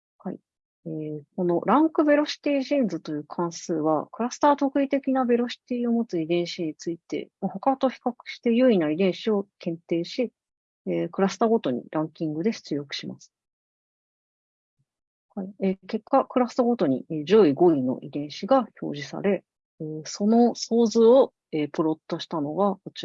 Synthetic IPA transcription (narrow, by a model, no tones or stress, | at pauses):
haḭ | eːk̚o̞no̞̰ɾãŋkɯ̟be̞ɾo̞ɕi̥t̪ʲiːʑĩnd͡zɨt̪o̞jɯ̟ːkʰãɰ̃sɨːβa̰kɯ̟ɾasɨ̥t̪aːt̪o̞kɯ̟it̪e̞kʲinabe̞ɾo̞ɕi̥t̪iːo̞mo̞t͡sɨid̪ẽ̞ɰ̃ɕiɲ̟it͡sɨit̪e̞̰mahokat̪o̞çi̥kakɯ̟̥ɕi̥t̪e̞jɯinaid̪ẽ̞ɰ̃ɕio̞kẽ̞nt̪e̞ːɕi | eːkɯ̟ɾasɨ̥t̪aːɡo̞t̪o̞ɲ̟ḭɾʔãŋkʲĩŋɡɯ̟d̪e̞ɕɨ̥t͡sɨjokɯ̟̥ɕima̰sɨ̥ | haieke̞kːakɯ̟ɾasɨ̥t̪aɡo̞t̪o̞ɲ̟ḭed͡ʑo̞iɡo̞ino̞̰ʔḭd̪ẽ̞ɰ̃ɕiɡaço̞̰ːʑisa̰ɾe̞ | eːso̞no̞so̞ːzɨo | epɯ̟ɾo̞t̪ːo̞ɕi̥t̪ano̞ɡaot͡ɕ